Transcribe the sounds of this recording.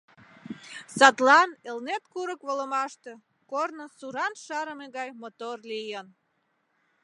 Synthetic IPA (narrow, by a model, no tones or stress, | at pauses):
sɑt̪lɑnelnet̪kuɾəkβoləmɑʃt̪ĕ | kornəsuɾɑnʃɑɾəmeɣɑjmot̪orlijən